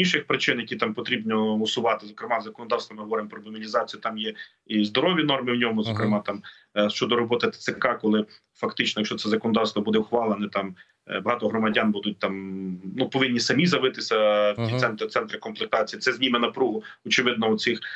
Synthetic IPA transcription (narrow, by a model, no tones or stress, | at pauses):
inʃɪxpɾɪt͡ʃɪnjɐkʲit̪ɑmpɔt̪ɾʲibnʲɔɔsʊʋɑt̪ɪzɔkɾɪmɑzɐkɔnɔd̪ɑwst̪ʋɐmɪɦɔʋɔɾɪmpɾɔbɐmʲilʲizɑt͡sʲijut̪ɑmjɛ | izd̪ɔɾɔʋʲinɔrmɪwnʲɔmʊzɔkɾɪmɑt̪ɑm | ʃt͡ʃɔd̪ɔɾɔbɔt̪ɪt̪sekɑkɔlˠɪ | fɐkt̪ɪt͡ʃnɔjɐkʃt͡ʃɔt̪sɛzɐkɔnɔd̪ɑwst̪ʋɔbud̪ɛwxʋɑlˠenɛt̪ɑm | bɐɦɑt̪ɔɦɾɔmɐdʲɑnbud̪ʊt̚ʲt̪ɑmnupɔʋɪnʲːisɐmʲizɐʋɪt̪ɪsʲɐwtʲit̪sɛnt̪t̪ɛnt̪ɾɪkɔmplˠek̚t̪ɑt͡sʲijit̪sɛzʲnʲimenɐpɾuɦʊɔt͡ʃɪʋɪd̪nɔʊsɪx